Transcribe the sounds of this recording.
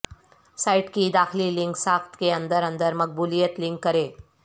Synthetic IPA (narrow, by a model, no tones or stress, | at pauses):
saːɪʈkid̪aːxlilɪ̃ŋksaːkt̪keɐ̃nd̪əɾɐ̃nd̪əɾmɐk̚buːlijət̪lɪ̃ŋkːɐɾeː